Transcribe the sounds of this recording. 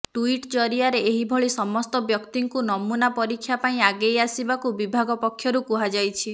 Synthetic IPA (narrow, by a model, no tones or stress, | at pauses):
ʈuiʈd͡ʒɔɾiaɾeeɦibʱɔɭisɔmɔst̪ɔbjɔkt̪iŋkunɔmunapɔɾikʰːjapaĩaɡejasibakubibʱaɡɔpɔkʰːjɔɾukuɦad͡ʒajt͡ʃʰi